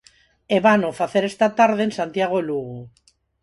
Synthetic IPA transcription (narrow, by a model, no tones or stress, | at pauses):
eβanofaθeɾest̪at̪aɾðe̞nsant̪iaɣ̞o̞luɣu